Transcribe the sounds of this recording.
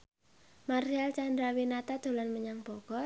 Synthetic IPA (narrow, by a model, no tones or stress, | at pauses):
marialt͡ʃand̪ɾawinat̪ad̪̥o̤lɔnməɲaŋb̥ɔɡ̥ɔ